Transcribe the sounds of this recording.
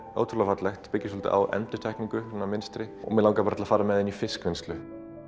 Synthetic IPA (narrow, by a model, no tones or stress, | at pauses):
o̰wt̪ʰɾlafat̪lɛxt̪pɪcːɪs̬ɔlt̪ɪ̰ʔa̰wɛ̰nt̪ʏt̪ʰɛjkniŋkʏɾʏnːamɪnst̪ɾɪɔ̰mɛlawŋkapaɾt̪ʰɪlafaːɾamɛðɪnifɪskvɪnst̪lʏ